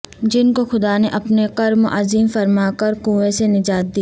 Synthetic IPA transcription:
d͡ʒɪnkoxʊd̪aneʔɐpneqɐɾmʔaziːmfɐɾmaːkɐɾkuːesenɪd͡ʒaːt̪̚d̪iː

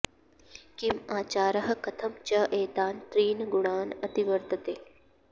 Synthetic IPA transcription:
kimaːt͡ʃaːɾɐɦɐ̆kɐt̪ʰɐmt͡ʃɐʔeːt̪aːnt̪ɾiːnɡʊɳaːnɐt̪iʋɐɾt̪ɐt̪eː

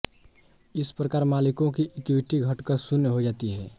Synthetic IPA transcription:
ɪspɾəkaːɾmaːlɪkõkiʔɪkɪwɪʈiɡʱɐʈkəɾsʊnːɦod͡ʒaːt̪iɦɛː

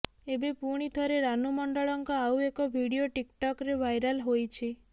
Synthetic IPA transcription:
ebepuɽ̃it̪ʰɔɾeɾanumɔɳɖɔɭɔŋkɔawekɔbʱiɽioʈikʈɔkɾebʱajɾalɦojt͡ʃʰi

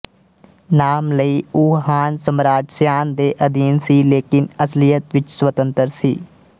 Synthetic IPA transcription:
naːmləiːuːɦaːnsəmɾaːʈʰsjaːnd̪eːʔəd̪iːnsiːleːkɪnəslijət̪ʋɪt͡ʃswət̪ənt̪əɾsiː

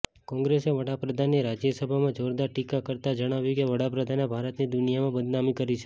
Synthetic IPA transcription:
kɔ̃ŋɡɾeseʋəɽapɾəd̪ʱanːiɾad͡ʒjəsəbʱamãd͡ʒoɾd̪aɾʈikakəɾt̪ad͡ʒəɽ̃aʋjũkeʋəɽapɾəd̪ʱanebʱaɾət̪nid̪ʊnijamãbəd̪namikəɾit͡ʃʰe̥

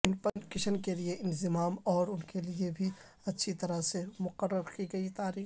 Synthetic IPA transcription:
ɪnpənkɪʃənkelieʔɪ̃nzɪmaːmɔːɾʊnkeliebʱi | ɐtːʃʰit̪ɐɾasemʊqəɾːəɾkiɡɐit̪aːɾiː

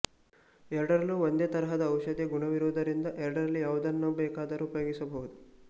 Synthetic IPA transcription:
ɛɾɐɽɐɾɐlːuʋond̪e̞ːt̪ɐɾɐɦɐd̪ɐːwʃɐd̪eɡuɳɐʋiɾod̪ɐɾind̪ɐʔɛɾɐɽɐɾɐlːijaːʋud̪ɐnːoːbɛːkaːd̪ɐɾuːpɐjoɡisɐbɐɦud̪u

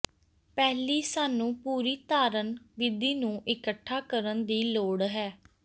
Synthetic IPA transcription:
pɛːliːsaːnũːpuːɾiːt̪aːɾənʋɪd̪iːnũːʔɪkəʈʰːaːkəɾənd̪iːloːɽɦɛː

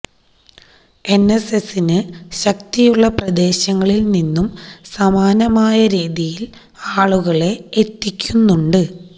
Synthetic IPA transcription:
e̞ne̞se̞sinɨɕɐkt̪ijuɭːɐprɐd̪e̞ːɕɐŋːɐɭilninːumsɐmaːnɐmaːjɐɾiːðijil | aːɭuɣɐɭe̞et̪ːikʲːunːuɳɖɨ

